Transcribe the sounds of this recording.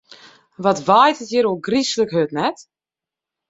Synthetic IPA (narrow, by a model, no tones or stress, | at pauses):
ʋɔtʋaːjtətjəɾolˠɡrisələkɦøtnɛt